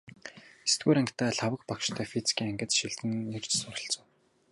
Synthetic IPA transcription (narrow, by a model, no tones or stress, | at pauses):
est̪ɡuːɾæŋkʰt̪ʰæːɮawə̆k̚pakʃt̪ʰœːfit͡si̥kʰʲiːŋæŋɡɘ̆t̪ʃiɮt̪ɘ̆nːert͡ɕsʊɾə̆ɬt͡sə̆w